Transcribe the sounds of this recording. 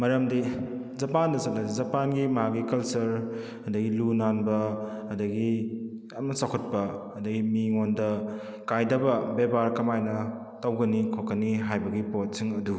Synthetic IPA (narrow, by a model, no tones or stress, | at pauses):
mɐɾɐmdi | zɐpandɐsɐt̚laizɐpanɡimɐɦaɡikɐlsɐɾ | ɐdɐɡilunanbɐɐdɐɡi | jamnɐsakʰot̚pɐɐdɐɡimiŋondɐ | kajdɐbɐbebaɾkɐmajnɐ | tawɡɐnikʰokɐniɦajbɐɡipot̚siŋɐdu